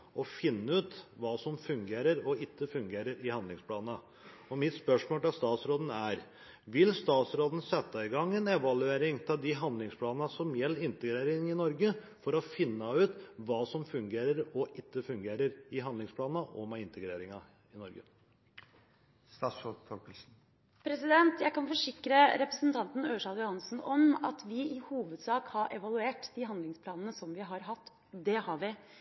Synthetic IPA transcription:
ɔfɪnːəʉːt̪ʋɑːsɔmfʉŋɡeːɾəɾɔɪt̪ːəfʉŋɡeːɾəɾɪhɑnd̪ɪŋspʰlɑːnɑ | ɔmɪt̪spœʂmoːlt̪ɪlst̪ɑːt̪sɾoːd̪n̩æɾ | ʋɪlst̪ɑːt̪sɾoːd̪n̩sɛt̪ːɑɪɡɑŋːɛnɛʋɑlʉeːɾɪŋt̪ʰɪld̪ɪɦɑnd̪lɪŋspʰlɑːnnɑsɔmjɛlːəɾɪnt̪əɡɾeːɾɪŋɪnɔɾɡə | fɔɾɔfɪnːəʉːt̪ʋɑːsɔmfʉŋɡeːɾəɾɔʔɪt̪ːəfʉŋɡeːɾəɾɪɦɑnd̪lɪŋspʰlɑːnəʔɔmɛɪnt̪əɡɾeːɾɪŋɑ | ɪnɔɾɡə | st̪ɑːsɔfʰɔkəlsn̩ | pʰɾɛsɪd̪ɛnt̪jæɪkɑnfɔʂɪkɾəɾɛpɾəsənt̪ʰɑnt̪n̩øːʂɑljʊhɑnsn̩ɔmɑ̰t̪ʋɪɪhuːʋəd̪sɑːkhɑɾʔɛʋɑlʉeːʈd̪ɪɦɑnd̪lɪŋspʰlɑːnən̩əsɔmʋɪɦɑɾɦɑt̪ː | d̪ɛhɑɾʋɪ

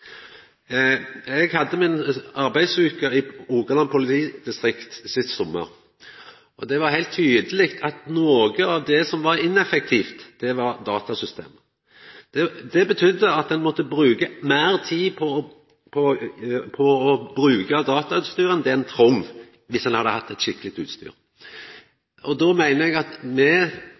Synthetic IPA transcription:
ɛɡhɑd̪ːəmɪnɑɾbæɪsʉːkəɪuːɡəlɑmpʰʊlɪt̪ʰiːd̪ɪst̪ɾɪkt̪sɪst̪sɔmːə̰ɾ | ʔɔd̪ɛʋɑɦæɪlt̪ʰːyːd̪əlɪkt̪ʰɑt̪noːɡəɑʋd̪ɛsɔmʋɑɾɪnɛfɛk̚t̪ʰiːft̪d̪̥ɛʋɑɾd̪ɑːt̪ɑsʏst̪ʰḛːmə | d̪̥ɛd̪ɛbət̪ʰʏd̪ːəɑt̪̚d̪ɛnmɔt̪ːəbɾʉːɡəmæːɾt̪ʰiːpʰɔ | pʰɔpʰɔɔbɾʉːɡəd̪ɑːt̪ɑʉːt̪st̪yːɾənd̪ɛnt̪ʰɾʊm | ʋɪsɛnhɑd̪ːəhɑt̪ːɛt̪ʃɪkːəlɪkt̪ʉːt̪st̪y̰ːɾ | ʔɔd̪ɔmæɪnəɛɡɑt̪mɛ

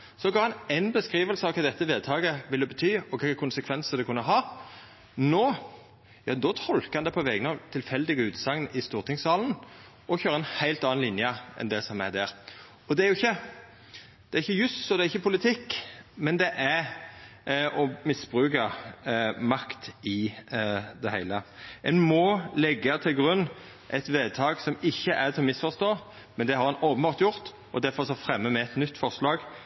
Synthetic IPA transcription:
sɔɡɑːʁhɑnɛnbəskɾiːʋəlsəɑʋkʰɑːd̪ɛt̪ːəʋeːd̪̚t̪ʰɑːɡəʋɪld̪ɛbət̪ʰyːɔkʰɪkʰʊnsəkʰʋɛnsəd̪ɛkʰʉnːəɦɑː | noː | jɑd̪ɔːt̪ʰɔlkɑnd̪ɛpʰɔʋɛɡnɑʋt̪ʰɪlfɛld̪ɪɡəʉːt̪sɑŋnʔɪst̪uːʁt̪ʰɪŋsɑːln | ʔɔçøːɾəɛnhæɪlt̪ɑːɑnlɪnjəɛ̰nd̪ɛsɔmæ̰d̪æɾ | ɔd̪ɛæɾjʊɪçːə | d̪̥ɛæɾɪçːəjʉsɔd̪ɛæɾɪçːəpʰʊlɪt̪ʰɪkːmɛnd̪ɛʔæɾ | ɔmɪsb̥ʁʉːkə | mɑkt̪ɪ | d̪ɛhæɪləʔɛnmɔlɛɡːət̪ʰɪlɡʁʉnː | ʔɛt̪ʋeːd̪t̪ʰɑːɡsɔmɪçːəʔæɾt̪ʰɪlɔmɪsfɔʁst̪oː | mɛnd̪ɛhɑɾʁɑnoːpənbɑːʁt̪jʊʁt̪ | ʔɔd̪æɾfɔʁsɔfʁɛmːəmɛɛt̪nʏt̪ːfɔʁslɑːɡ

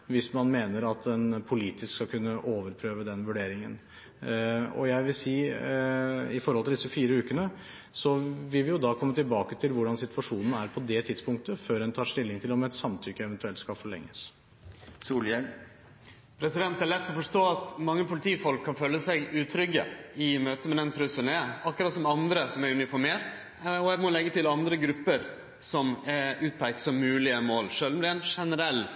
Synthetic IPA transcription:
ʋɪsmɑnmeːnəɾɑt̪ɛnpʰʊliːt̪ɪskskɑkʉnːəʔoːʋəɾpʰɾøːʋəd̪ɛnʋʉɖeːɾɪŋə̰n | ɔ̰jæɪʋɪlsiː | ɪfɔɾhɔlt̪ɪld̪ɪsːəfiːɾəʉːkənə | sɔʋɪlʋɪjʊd̪ɑkʰɔmːət̪ɪlbɑːkət̪ʰɪlʋʊɖɑnsɪt̪ʰʋɑʂuːnən̩æɾpʰɔd̪ɛt̪ʰɪd̪spʊŋk̚t̪əføːɾɛnt̪ʰɑːʂt̪ɪlːɪŋt̪ʰɪlɔmɛt̪sɑmt̪ʰʏkːəɛʋɛnt̪ʉɛlt̪skɑfɔɭɛ̰ŋːəs | suːljɛl | pʰɾɛsɪd̪ɛnt̪æɾɭɛt̪ːɔfɔʂʈoːɑt̪mɑŋːəpʰʊlɪt̪ʰiːfɔlkʰːɑnføːlːəsæɪɡʉːt̪ʰɾʏɡːə̰ɪmøːt̪əmɛd̪ɛnt̪ʰɾʉsənɛɑkːɔɾɑt̪sɔmɑnd̪ɾəsɔmæɾʉnɪfɔɾmeːɾt̪ | ɔɛmɔlɛɡːət̪ʰɪlɑnd̪ɾəɡɾʉpːəɾ | sɔmɛʉːt̪̚pʰæɪksɔmːʉːlɪəmoːlʂœːlmlɪɛnʂɛnəɾɛlː

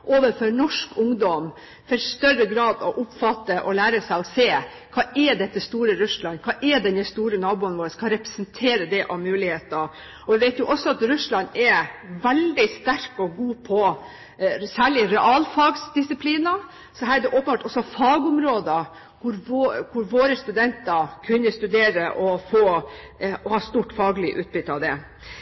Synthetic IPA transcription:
ʔoːʋəfœɾnɔʂkʰʊŋd̪ɔm | fɔɾst̪œɾəɡɾɑːd̪ɔʔʊpfɑt̪ːəʔɔlæːɾəsæɪɔseː | kʰɑːʔɛɖ̪ɛt̪ːəst̪uːɾəɾʉslɑnkʰɑːʔɛd̪ɛnɛst̪uːɾənɑːbuːənʋoːɾəskʰɑɾɛpɾəsənt̪ʰeːɾəd̪ɛʔɔmmʉːlɪheːt̪ɑ | ɔʋɪʋeɪt̪jʊʔɔsːɔɑt̪ɾʉslɑnɛɾʋɛld̪ɪst̪æɾkɔɡuːpʰɔ | sæːɭɪɾɛʔɑːlfɑɡsd̪ɪsɪpʰliːnɑ | sɔɦæːɾæɖ̪ɛʔɔːpənbɑːʈɔsːɔfɑːɡʊmɾoːd̪ə | kʰʊɾʋokʰʊɾʋoːɾəst̪ʉd̪ɛnt̪əɾkʰʉnːəst̪ʉd̪eːɾəʔɔfoː | ɔhɑːst̪uːʈfɑːɡlɪʔʉ̰ːt̪̚bʏt̪ːəɑʋd̪ɛ

